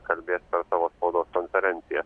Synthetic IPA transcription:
kɐlʲbʲeːspʲɛɾsɑʋoːspoːd̪oːskɔnfʲɛɾʲɛnʲt̪sʲɪjɛ

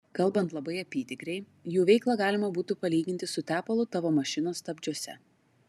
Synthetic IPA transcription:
kɐlˠbɐnt̪lˠɐbɐɪɐpʲiːt̪ʲɪkɾʲɛɪ | juːʋʲɛɪklˠɑːɡɑːlʲɪmɐbuːt̪upɐlʲiːɡʲɪnʲt̪ʲɪsʊt̪ʲæːpɐlˠʊt̪ɑʋoːmɐʃʲɪnoːst̪ɐbʲd͡ʒʲuɔsʲɛ̰

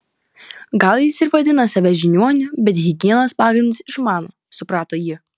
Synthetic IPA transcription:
ɡɐlˠjɪsɪɾʋɐd̪ʲɪnɐsɐʋʲɛʒʲɪnʲuɔnʲʊbʲɛt̪ɣʲɪɡʲiɛnoːspɑːɡɾʲɪnd̪ʊsɪʃmɑːnoː | sʊpɾɑːt̪oːjiː

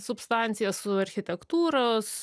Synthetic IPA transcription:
sʊpst̪ɑnʲt̪sʲɪjɛssʊɐɾʲxʲɪt̪ʲɛkt̪uːɾos

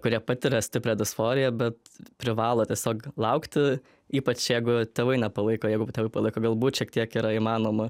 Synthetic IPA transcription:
kʊɾʲiɛpɐt̪ʲɪɾʲɛsʲt̪ʲɪpʲɾʲɛd̪ɪsfoːɾʲɪjɛbʲɛt̪pʲɾʲɪʋɑːlˠoːt̪ʲiɛsʲoːklˠɐʊkt̪ʲɪ | iːpɐt͡ʃjɛɪɡʊt̪ʲeːʋɐɪnʲɛpɐlˠɐɪkoːjɛɪɡʊt̪ʲeːʋɐɪpɐlˠɐɪkoːɡɐlˠbuːt̪ʃʲiɛk̚t̪ʲiɛkiːɾɐimɑːnoːmɐ

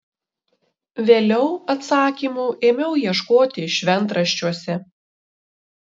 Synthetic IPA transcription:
ʋʲeːlʲɛʊɐt̪sɑːkʲiːmuːʔeːmʲɛʊjiɛʃkoːt̪ʲɪʃʲʋʲɛnˑt̪ɾɐʃʲt͡ʃʲuɔsʲɛ

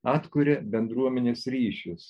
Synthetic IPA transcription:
ɑːt̪kʊɾʲebʲɛnd̪ɾuɔmʲɛnʲeːsɾʲiːʃʲʊs

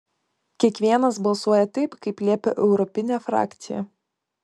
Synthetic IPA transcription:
kʲiɛkʋʲiɛnɐsbɐlˠsuɔjɛt̪ɐɪpkɐɪplʲiɛpʲɛ̰ʔɛʊɾɔpʲɪnʲæfɾɑ̰ːkʲt̪sʲɪjɛ̰

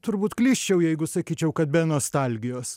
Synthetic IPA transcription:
t̪ʊɾbuːt̪klʲiːsʲt͡ʃʲɛʊjɛɪɡʊsɐkʲiːt͡ʃʲɛʊkɐt̪̚bʲɛnoːst̪ɑlʲɡʲɪjoːs

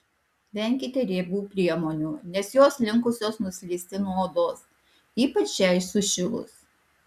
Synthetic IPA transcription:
ʋʲɛŋʲkʲɪt̪ʲeɾʲeːbuːpʲɾʲiɛmoːnʲuːnʲɛsjoːslʲɪŋkʊsʲoːsnʊsʲlʲiːsʲt̪ʲɪnuɔoːd̪oːs | iːpɐt͡ʃjɛɪsʊʃʲɪlˠʊ̰s

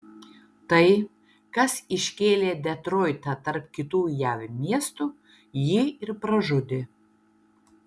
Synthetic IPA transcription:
t̪ɐɪ | kɐsɪʃʲkʲeːlʲeːd̪ʲɛt̪ɾoːɪt̪ɐt̪ɐɾpkʲɪt̪uːjæːʋʲmʲiɛst̪u | jɪɪɾpɾɐʒʊd̪ʲɪ

